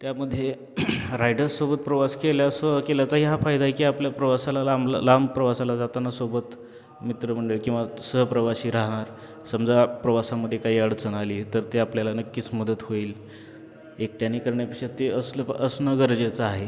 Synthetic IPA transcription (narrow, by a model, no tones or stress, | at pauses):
t̪jaməd̪ʱːje | ɾajɖəɾsobət̪̚pɾəʋaskeljasəkeljat͡saɦiɦafajd̪ʱaɦekiːapljapɾəʋasalalamla̰lampɾəʋasalad͡zat̪anasobət̪ | mit̪ɾəm̤əɳɖeɭkĩw̃ʋasəɦpɾəʋaɕiːɾaɦɽ̃aɾ | səmd͡zapɾəʋasaməd̪ʱːjekaɦiːəɽt͡sənaliːt̪əɾt̪eapljalanəkːiːt͡sməd̪ət̪hoiːl | ek̚ʈjaniːkəɾɳjapikʂat̪eəsləsnəɡəɾd͡ʑet͡səaɦe